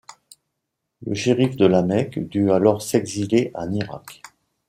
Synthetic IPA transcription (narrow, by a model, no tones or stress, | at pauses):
lə̰ʃiʁifd̪əlamɛkd̪yalɔʁsɛɡzileʔaniʁa̰k